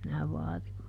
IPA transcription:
minæ ʋɑːrim

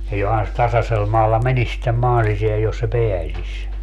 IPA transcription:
jɑ johɑn se tɑsɑsel mɑːlːɑ menis sitːem mɑːn siseæj jos se peæsisʲ

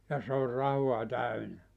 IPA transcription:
jɑ se or rɑhuɑ tæynæ

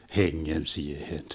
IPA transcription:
heŋːen siehen

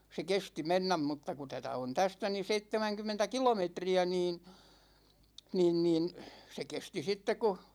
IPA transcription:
se kesti menːæm mutːɑ ku tætæ on tæstæ ni seitːemæŋkymˑentæ kilometriæ niːn niːn niːn se kesti sitːek̆ ku

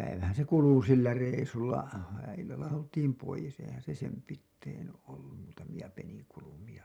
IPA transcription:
pæiʋæhæn se kulu silːæ reisulːɑ ilːɑlːɑ oltiːm poijes eihæn se sem pitːein olːum muːtɑmij̆ɑ peniŋkulumij̆ɑ

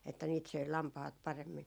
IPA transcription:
etːæ niːt søi lɑmpɑhɑt pɑremːin

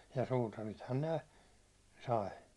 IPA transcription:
jɑ suːtɑrithɑn ne sɑi

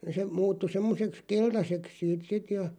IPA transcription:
se muːtːu semːoseks keltɑseks siːt sit jɑ

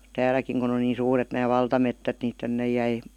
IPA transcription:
tæːlækiŋ kun on niːn̞ suːret næː ʋɑltɑmetːæt ni tænːej̆ jæi

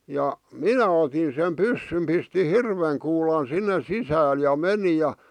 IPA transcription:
jɑ minæ otin sem pysːym pisti hirʋeŋ kuːlɑn sinːe sisæːl jɑ meni jɑ

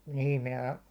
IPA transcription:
niːm minæ

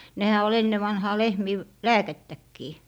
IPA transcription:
nehæ ol enːe ʋɑnhɑː lehmiː ʋ læːketːækːiː

